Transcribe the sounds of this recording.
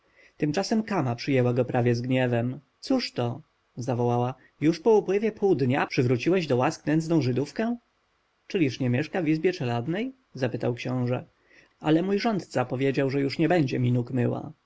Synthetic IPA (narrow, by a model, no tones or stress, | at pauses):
t̪ɘmt͡ʂasɛmkamapʂɘjɛwaɡɔpɾavʲjɛzɡɲɛvɛmt̪suʂt̪ɔ | zavɔwawa | juʂpɔupwɘvʲjɛpʰuwd̪ɲapʂɘvɾut͡ɕiwɛʑd̪ɔwasknɛnd̪znɔ̃w̃ʐɘd̪ufkɛ | t͡ʂɘlʲiʂɲɛmʲjɛʂkavʲizbʲjɛt͡ʂɛlad̪nɛj | zapɘt̪awkɕɔ̃w̃ʐɛ | ʔa̰lɛmujʐɔnt̪t̪sapɔvʲjed͡ʑawʐɛjuʂɲɛbɛɲd͡ʑɛmʲinukmɘwa̰